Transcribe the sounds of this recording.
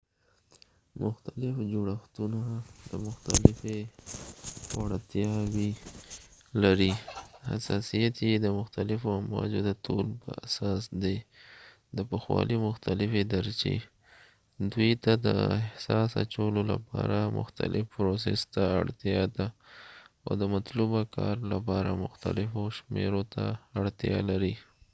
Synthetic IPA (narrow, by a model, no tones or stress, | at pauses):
mʊxt̪alɪfd͡ʒoɽaxt̪unad̪̥əmʊxt̪alɪfe | waɽt̪jɑwi | laɾiha̰sɑsijat̪jed̪əmʊxt̪alɪfoamwɑd͡ʒod̪ət̪ʰolpə̰a̰sɑsd̪e | d̪əpəxwɑlʔimʊxt̪alɪfed̪aɾt͡ʃḛ | d̪wujt̪ad̪əɪhsɑsa̰t͡ʃawəlola̰pɑɾamʊ̰xt̪a̰lʔɪfpɾos̬ɛst̪aaɽt̪jɑd̪a | a̰wd̪əmat̪lubakʰɑɾlapɑɾamʊxt̪alɪfoʃmeɾot̪aaɽt̪jɑlaɾi